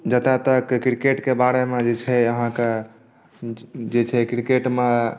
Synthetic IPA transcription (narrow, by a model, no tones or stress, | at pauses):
d͡ʒət̪et̪əkkɾikeʈkebaɾemed͡ʒet͡ʃʰɛəɦãke | d͡ʒet͡ʃʰɛkɾikeʈme